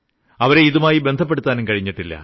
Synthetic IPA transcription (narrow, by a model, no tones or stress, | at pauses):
ɐʋɐɾe̞iðumaːjibend̪ʱɐp̬ːe̞ɽut̪ːaːnumkɐɻiɲːiʈːilːɐ̰